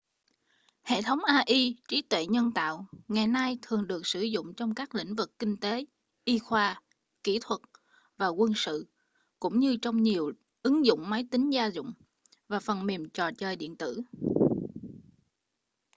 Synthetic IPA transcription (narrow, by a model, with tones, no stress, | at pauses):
hḛ˧˨t̪ʰə˨˦wŋ͡mʔaː˧ʔi˧t͡ɕi˨˦t̪wḛ˧˨ɲə˧nt̪a̰ː˧˨wŋa˨˩jna˧jt̪ʰɨ˨˩əŋɗɨ˨˩ək̚sɨ˧˩zʊ̰˧˨ŋ͡mt͡ɕɔ˧wŋ͡mkaː˦˥k̚lḭ̈˧˥ŋ̟vɨ˨˩kːï˧ŋ̟t̪e˨˦ | ʔi˧xwaː˧ | ki˧˥t̪ʰwə˨˩t̚ | vaː˨˩kwə˧nsɨ̰˧˨ | kʊ̰˧˥ŋ͡mɲɨ˧t͡ɕɔ˧wŋ͡mɲi˨˩əw | ʔɨ˨˦ŋzʊ̰˧˨ŋ͡mma˨˦jt̪ï˨˦ŋ̟zaː˧zʊ̰˧˨ŋ͡m | vaː˨˩fə˨˩nmi˨˩əmt͡ɕɔ̰˨˩t͡ɕəː˨˩jɗḭ˧˨ənt̪ɨ̰˧˨